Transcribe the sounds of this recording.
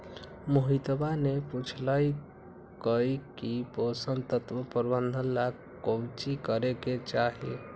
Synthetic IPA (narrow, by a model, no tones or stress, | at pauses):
moɦit̪baneput͡ʃʰlaj | kəjkiposəmt̪ət̪ʋəpəɾbənd̪ʱənla | kowt͡ʃikəɾeket͡ʃaɦḭ